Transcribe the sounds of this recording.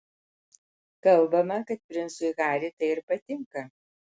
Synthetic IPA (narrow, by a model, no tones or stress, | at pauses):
kɐlˠˑbɐmɐkɐt̪̚pʲɾʲɪnt̪sʊɪɣɑːɾʲit̪ɐɪɪɾpɐt̪ʲɪŋkɐ